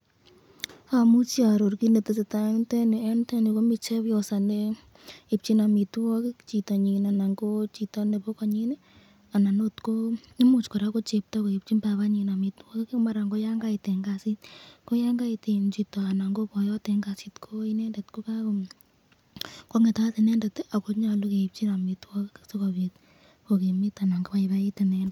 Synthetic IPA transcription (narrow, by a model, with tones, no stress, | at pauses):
fa˨mu˦t͡ʃia˨ɾo˨ɾki˦ne˨te˨se˨ta˨ɛ˦ntɛ˦ni˨ɛ˦ntɛ˦ni˨ko˦mi˨t͡ʃɛ˦βjɔ˨sa˨ne˦ | i˨p̚t͡ʃi˦na˨mi˨twɔ˦kɪ˦kt͡ʃi˨ta˨ɲi˨na˨na˨ŋɡo˦t͡ʃi˨tɔ˦ne˨βo˦ka˨ɲi˦nɛ˦ | a˨na˨no˦tko˦ | i˦mu˨t͡ʃko˨ɾa˦ko˦t͡ʃe˨p̚ta˦ko˨e˨p̚t͡ʃi˦mba˨βa˦ɲi˨na˨mi˨twɔ˦kkma˦ɾa˨ŋɡo˦ja˦ŋɡa˦i˨tɛ˨ŋɡa˨si˦tko˦ja˦ŋɡa˦i˨te˨nt͡ʃi˨tɔ˨a˨na˨ŋɡo˦pɔ˨jɔ˦te˨ŋɡa˨si˦tkʰo˦i˦nɛ˦ndɛ˨tko˦ka˦ko˨ | ko˦ŋe˨ta˨˦ti˨nɛ˦ndɛ˨ta˨ko˦ɲa˨lo˦ke˨i˨p̚t͡ʃi˦na˨mi˨twɔ˦kɪkso˦kɔ˨βe˨t | ko˨ke˨mɪ˦ta˨na˨ŋɡo˦pa˨iβa˦i˦te˨nɛ˨ndt